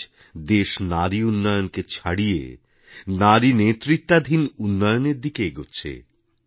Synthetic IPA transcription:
d̪eʃnaɾiunːɔjonket͡ɕʰaɽijḛ | naɾinet̪ːɾit̪ːad̪ʱinunːɔjoneɾd̪ikeɡotːɕʰḛ

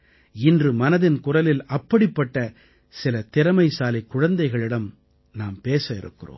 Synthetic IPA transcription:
ɪndrɯmɐnɐðɪnkʊrɐlɪlɐpːɐɽɪpːɐʈːɐ | sɪlɐt̪ɪɾɐmɐɪsaːlɐɪkːʊɻɐnd̪ɐɪɣɐɭɪɽɐm | naːmpeːsɐɪ̰ɾɯ̰kːɪro̰ː

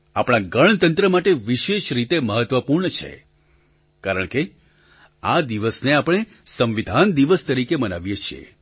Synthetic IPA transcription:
apɽ̃ãɡəɭ̃t̪ənt̪ɾəmaʈeʋiʃeʃɾit̪eməɦət̪ʋəpuɾɳət͡ʃʰḛ | kaɾəɳke | ad̪iʋəsneapɽ̃e | sə̃mʋid̪ʱand̪iʋəst̪əɾikemənaʋjet͡ʃʰiḛ

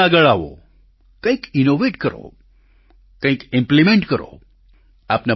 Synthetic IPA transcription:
aɡəɭaːʋo̰ | kɐ̃ĩkinoʋeːʈkəɾo̰ | kə̃ĩkɪ̃mplimẽɳʈkəɾo̰ | aːpna

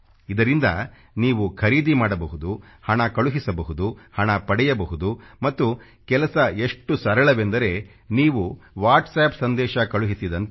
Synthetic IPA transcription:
id̪ɐɾind̪ɐ | niːʋukʰɐɾiːd̪imaːɽɐbɐɦud̪u | hɐɳɐkɐɭuɦisɐbɐɦud̪uhɐɳɐpɐɽɛjɐbɐɦud̪umɐt̪ːu | kɛlɐsɐe̞ʂʈusɐɾɐɭɐʋe̞nd̪ɐɾe̞ | niːʋuʋaːɾʈsɛːpsɐnd̪ɛːʃɐkɐɭuɦisid̪ɐnt̪

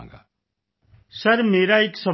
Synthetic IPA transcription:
ɡaː | səɾmeːɾaeːksə

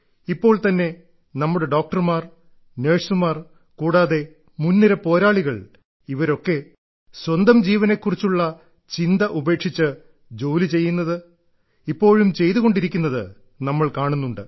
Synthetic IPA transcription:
ipːo̞ːɭt̪ɐnːe̞ | nɐmːuɽe̞ɖo̞ːk̚ʈɐrmaːr | ne̞ːʂumaːr | kuːɽaːðe̞ | munːiɾɐpo̞ːɾaːɭiɣɐɭ | iʋɐɾo̞kːe̞ | swɐnd̪ɐmd͡ʑiːʋɐne̞kːurit͡ɕːuɭːɐ | t͡ɕind̪ɐʔube̞ːkʂit͡ɕːɨ | d͡ʑo̞ːlit͡ɕe̞jːunːɐðɨ | ipːo̞ːɻumt͡ɕe̞jt̪uɣo̞ɳɖiɾikʲːunːɐðɨ̰ | nɐmːɐɭkaːɳunːuɳɖɨ

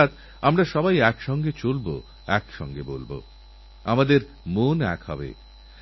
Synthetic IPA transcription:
t̪ | amɾaʃɔbajɛkʃɔŋɡet͡ɕolbo̰ | ɛkʃɔ̰ŋɡebolbo̰ | amad̪eɾ | monɛ̰kɦɔ̰bḛ

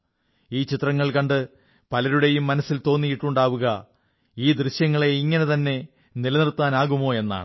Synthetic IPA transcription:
iːt͡ɕit̪rɐŋːɐɭkɐɳɖɨ | pɐlɐɾuɽe̞jumːɐnɐsːilt̪o̞ːnːijiʈːuɳɖaːʋuɣɐ | iːd̪riɕjɐŋːɐɭe̞iŋːɐne̞t̪ɐnːe̞ | nilɐnirt̪ːaːnaːɣumo̞ːe̞nːa̰ːɳɨ

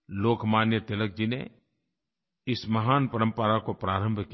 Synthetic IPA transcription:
loːkʰmaːnjət̪ɪlək̚d͡ʒinḛ | ɪsmɐɦaːnpɐɾə̃mpəɾakopɾaːɾə̃mbʱk

